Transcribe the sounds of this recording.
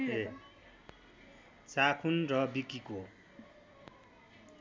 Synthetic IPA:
e | t͡sakʰunrʌbikiko

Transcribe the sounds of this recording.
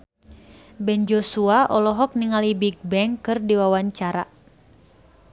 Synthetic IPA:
bɛnd͡ʒosuaʔɔlɔɦɔk̚niŋalibiɡ̚bɛŋkɨrdiwawaɲt͡ʃaɾa

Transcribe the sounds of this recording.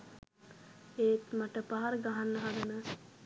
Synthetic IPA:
eːt̪maʈəpaɦaɾəɡaɦanːəɦad̪ənə

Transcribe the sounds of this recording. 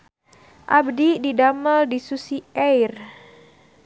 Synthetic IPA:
ʔabdididaməldisusiɛjr

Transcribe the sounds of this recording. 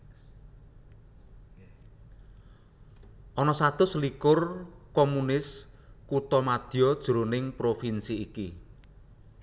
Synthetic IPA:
ʔɔnɔsat̪ʊslikʊrkomunɪs | kut̪ɔmad̪̥iɔd̥ʒ̥uɾunɪŋpɾofinsiːki

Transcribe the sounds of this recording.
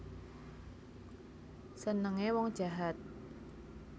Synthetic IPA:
sənəŋewɔŋd̥ʒ̥a̤ɦat̪̚

